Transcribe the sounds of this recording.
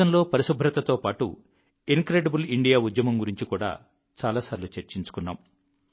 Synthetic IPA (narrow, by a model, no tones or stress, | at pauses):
ɐmlo̞ːpɐɾisubʱɾɐt̪ɐt̪o̞ːpaːʈṵ | iŋkɾeːɖɐbuliɳɖijaːud̪jɐmɐmɡuɾiɲt͡ʃikuːɽa̰ː | t͡ʃaːlaːsaːɾilut͡ʃeɾt͡ʃiɲt͡ʃu̥kunːa̰ːm